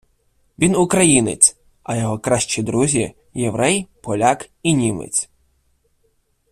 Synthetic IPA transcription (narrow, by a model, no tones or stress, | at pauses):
ʋʲinʊkɾɐjinḛt͡sʲ | ɐjɔɦɔkɾɑʃt͡ʃid̪ɾuzʲi | jeʋɾɛjpɔlʲakinʲimḛt͡sʲ